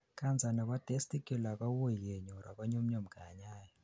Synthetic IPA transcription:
kʰʼa˦nd͡zʱa˨na˨k̬ʼwa˦d̥e˦stʼi˦kʼɛ˨la˨k̬ʼa˦wu˦jɛ˨ɲɔ˨ra̰˨kʼɔ˦ɲu˦m̩˦ɲo˦˨m̩˨ɡ̥ʱa˨ɲaː˦jɔ

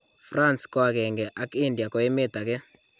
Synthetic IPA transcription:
fra˦nskɔ˦a˨kɛ˨ŋɡɛ˨ʔa˦ki˦ndja˨kɔ˨˦e˦me˦ta˨kɛ˦

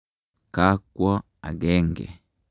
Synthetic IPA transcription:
ka˦kwɔ˦ | a̰˨ɡɛ˦ŋɡɛ̰˨

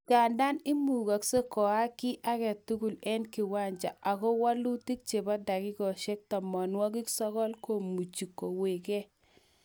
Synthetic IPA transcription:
ka˨nda˦nɪ˦mu˨ɡa˨kse˦kɔ˨a˦kɪ˦ʔa˦kɛ˨tu˦ɡu˨lɛ˦nkɪ˨wa˦ɲd͡ʒa̰˨ʔa˨kɔ˦wa˦lu˦ti˦k̚t͡ʃe˨ba˦da˨kɪ˦kɔ˨ʃe˦k̚tɔ˨mɔ˨nwɔ˦kɪ˦ksɔ˦kɔ˦lko˨mu˨t͡ʃi˨kːo˨we˨kɛ˦

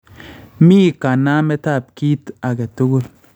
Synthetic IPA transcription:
miː˦˨ka˨na˦me˦ta˦˨p̚ki˦ta˨ɡe˨to˦ɡo˦l

